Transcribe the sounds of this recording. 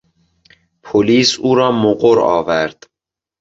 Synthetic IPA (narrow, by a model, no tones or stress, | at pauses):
pʰoliːsuːɾɒːmoɢoɾɒ̰ːvæɾd̪̥